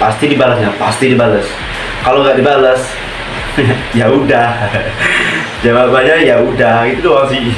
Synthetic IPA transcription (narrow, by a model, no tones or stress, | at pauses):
past̪idibalasɲapast̪idibalas | kaloŋɡaʔdibalas | jaudah | d͡ʒababaɲajaudahit̪ut̪uasi